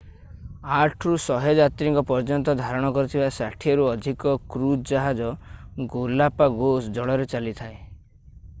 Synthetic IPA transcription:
aʈʰɾusɔɦed͡ʒat̪ɾiŋkɔpɔɾd͡ʒɔnt̪ɔd̪ʱaɾɔɽ̃ɔkɔɾut̪ʰibasaʈʰiɔɾuɔd̪ʱikɔkɾud͡ʒaɦad͡ʒɔɡolapaɡosd͡ʒɔɭɔɾet͡ʃalit̪ʰae

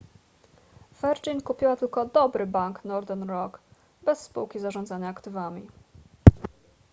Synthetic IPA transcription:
vɛɾd͡ʒinkupʲiwat̪ɘlkɔd̪ɔbɾɘbaŋknɔɾd̪ɛnɾɔk | bɛsːpṵwkʲizaʐɔnd̪zaɲaːkt̪ɘvamʲi

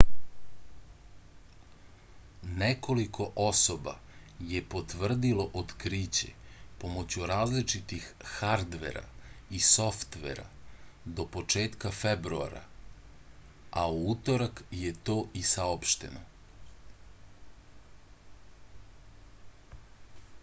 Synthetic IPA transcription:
neko̞likʰo̞ʔosoba̰ | jepo̞t̪ʋr̩d̪ilo̞ʔod̪kɾiːt͡ɕe̞̰pomot͡ɕuɾaːzlit͡ʂit̪ixːaɾd̪ʋḛɾa̰iso̞ft̪ʋḛɾa̰d̪o̞pot͡ʂeːt̪kafebɾua̰ɾa̰ | auut̪o̞ɾakjet̪o̞ːʔisaopʃt̪e̞̰no

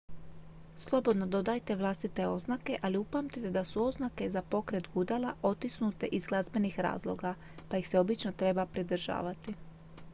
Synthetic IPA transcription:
slˠo̞bo̞d̪no̞d̪o̞d̪ajt̪e̞ʋlˠast̪it̪e̞o̞znake̞ʔaliupamt̪it̪e̞d̪asuo̞znake̞zapo̞kɾet̪ɡud̪alˠao̞t̪isnut̪e̞ʔizɡlˠazbe̞nixɾa̰ːzlˠo̞̰ɡa | pajixseo̞bit͡ʃnot̪ɾe̞bapɾid̪r̩ʒa̰ːʋat̪i

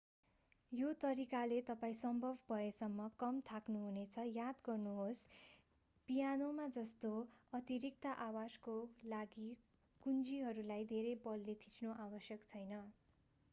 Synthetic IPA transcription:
jot̪ʌɾikalet̪ʌpaĩsʌmbʱʌbʱbʱʌesʌmːʌkʌmt̪ʰaknuɦunet͡sʰʌjad̪ɡʌrnuɦos | pijanomad͡zʌst̪oʌt̪iɾik̚t̪aʔawaskolaɡi | kund͡ziɦʌɾulajd̪ʱeɾejbʌlːet̪ʰi̥t͡snoʔawʌsjʌkt͡sʰʌjnʌ

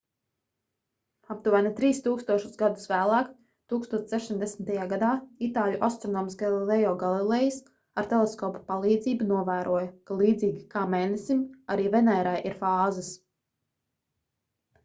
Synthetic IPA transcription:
ap̚t̪uvæːnit̪ɾiːst̪uːkst̪uɔʃu̥sɡad̪usvæːlˠɑːk | t̪uːkst̪uɔt̪ssɛʃimd̪esmʲt̪ajaːɡad̪aːit̪aːlʲuʔast̪ɾɔnɔːmsɡalˠilɛjɔːɡalˠilˠɛjis | aɾt̪ɛlˠɛskɔːpḁpalˠiːd̪ziːbunuɔvæːɾʔuɔjɐkalˠiːd̪ziːɡʲikaːmeːnɛsimaɾiːvɛnɛːɾajʔiɾfaːzɪs

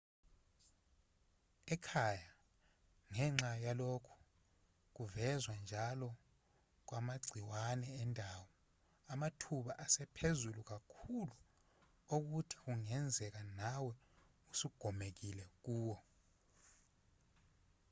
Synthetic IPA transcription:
ɛkʰaja | ŋɛŋ͡ǁajalokʰu̥ | k̬uvɛzwand͡ʒʱalɔ | k̬wamaɡ͡ǀʱiwanɛːndʱawɔ | amatʰuɓaʔasɛpʰezuluk̬akʰulu | ok̬utʰi̥k̬uŋɛnd͡zʱɛk̬anawɛ | usuɡ̥ʱɔmek̬ilɛk̬uːwɔ

